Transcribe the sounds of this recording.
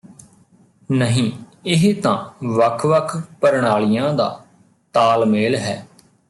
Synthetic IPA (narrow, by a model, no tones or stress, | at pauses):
nəɦĩːɪɦt̪ãːʋəkʰʋəkʰpəɾɳ̃aːlɪjãːd̪a̰ː | t̪aːlmeːlɦɛː